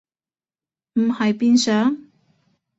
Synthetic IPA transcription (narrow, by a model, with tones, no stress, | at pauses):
m̩˨˩hɐ˨jpiː˥nsœː˨˥ŋ